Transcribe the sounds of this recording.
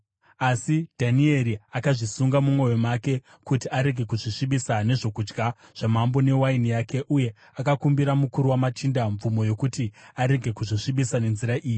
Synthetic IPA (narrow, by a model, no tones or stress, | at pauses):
asidʱanie̞ɾiakaʐisuŋɡamumwo̞jo̞make̞ | kutiaɾe̞ɡʱe̞kuʐiʂiɓisane̞ʐo̞kud͡ʒɡaʐ̥amambo̞ne̞wainijake̞ʔuje̞ | akakumbiɾamukuɾuwamatindaɱvumo̞jo̞kutiaɾe̞ɡʱe̞kuʐiʂiɓisane̞nziɾaʔiːji